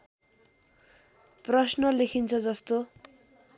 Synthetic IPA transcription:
prʌsnʌlekʰint͡sʰʌd͡zʌst̪o

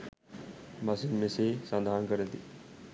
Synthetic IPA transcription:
masinmẽsesãnd̪ʱaːnkəɾẽt̪i

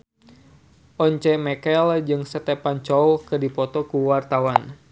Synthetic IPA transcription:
ʔɔɲt͡ʃɛmɛkɛld͡ʒɨŋsət̪epant͡ʃɔwkɨdipɔt̪ɔkuwart̪awan

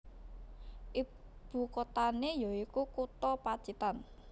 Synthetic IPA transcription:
ʔib̥ṳkot̪anejɔikukut̪ɔpḁt͡ʃit̪an

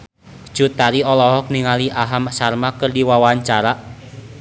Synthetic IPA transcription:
d͡ʒ̥ut̪aɾiɔlɔɦɔk̚niŋaliʔaɦamsarmakɨrdiwawaɲt͡ʃaɾa

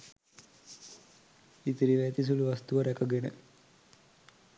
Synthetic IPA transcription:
it̪iɾiʋɛt̪is̬uluʋɐst̪uʋɐɾɛkɐɡenə̰

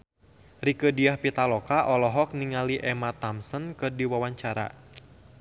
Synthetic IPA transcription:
rikədiahpit̪alɔkaʔɔlɔɦɔk̚niŋaliʔɛmat̪amsɔnkɨrdiwawaɲt͡ʃaɾa̰

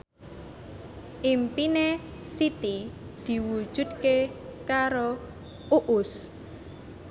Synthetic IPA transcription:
ʔimpine | sit̪id̪̥i̤wud̥ʒ̥ṳd̪̚kekaɾo | ʔuʔʊs

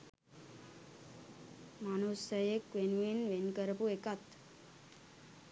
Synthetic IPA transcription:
manosəjekʋenʋinʋenkəɾpuekat̪

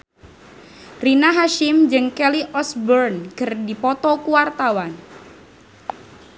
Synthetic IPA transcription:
rinaɦaʃɪmd͡ʒɨŋkɛliʔɔsbɔrnkɨrdipɔt̪ɔkuwart̪awan

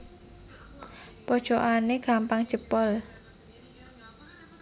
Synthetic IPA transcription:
pɔd̥ʒ̥oʔanekampaŋ̥t͡ʃəpɔl

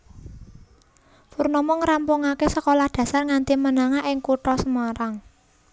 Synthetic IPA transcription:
furnɔmɔŋɾampuŋakesəkolahd̪̥ä̤sarŋant̪imənaŋaʔɪŋkuʈɔsəmaɾaŋ

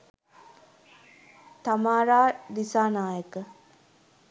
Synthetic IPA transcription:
t̪amaːɾaːdisaːnaːjəkə

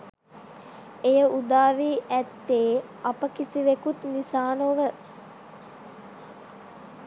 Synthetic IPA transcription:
ejəud̪aːʋiːʔæt̪ːeː | apəkisiʋekut̪nisaːnoʋə

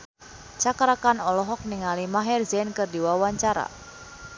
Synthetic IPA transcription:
t͡ʃakɾakanɔlɔɦɔk̚niŋalimaɦɛrzɛnkɨrdiwawaɲt͡ʃaɾa̰

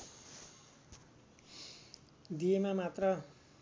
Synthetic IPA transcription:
d̪ijemamat̪rʌ

